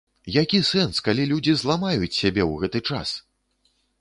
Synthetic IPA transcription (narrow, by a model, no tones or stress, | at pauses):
jakʲisɛnskalʲilʲud͡zʲizlˠamajut͡sʲsʲabʲɛwɣɛt̪ɨt͡ʂa̰s